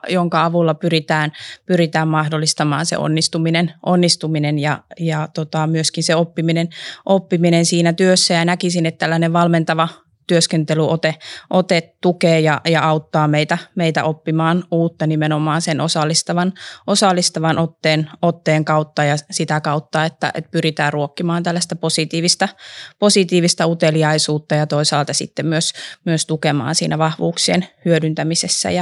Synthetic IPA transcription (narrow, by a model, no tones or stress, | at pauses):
joŋkɑɑʋulːɑpyrit̪æːnpyrit̪æːmmɑhdolːist̪ɑmɑ̰ːnsḛo̰nːist̪uminenʔonːist̪uminenjɑjɑt̪ot̪ɑmyøskinseopːiminenʔopːiminensiːnæt̪yøsːæjɑnækisinet̪t̪ælːæneʋʋɑlment̪ɑʋɑ | t̪yøskent̪elyʔot̪eʔot̪et̪t̪ukeːjɑjɑɑut̪ːɑːmeit̪æmeit̪æ̰ʔopːimɑːnuːt̪ːɑnimenomˑɑːnsenosɑlːist̪ɑʋɑnosɑlːist̪ɑʋɑnʔot̪ːeːnot̪ːeːŋkɑut̪ːɑjɑsit̪ækɑut̪ːɑet̪ːæ̰ʔḛt̪̚pyrit̪æːrruokːimɑːnt̪ælːæst̪æposit̪iːʋist̪ɑposit̪iːʋist̪ɑut̪eliɑisuːt̪ːɑjɑt̪oisɑːlt̪ɑsḭt̪ːemmyøsmyøst̪ukemɑ̰ːnsḭːnæʋɑhʋṵːksiḛnhyødynt̪æmisesːæ̰jɑ